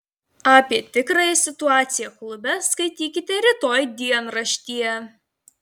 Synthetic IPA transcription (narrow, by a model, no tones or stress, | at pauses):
ɑːpʲiɛt̪ʲɪkɾɐjɛsʲɪt̪ʊɑːt̪sʲɪjɛklˠʊbʲɛskɐɪt̪ʲiːkʲɪt̪ʲɛɾʲɪt̪oːjd̪ʲiɛnɾɐʃʲt̪ʲiːɛ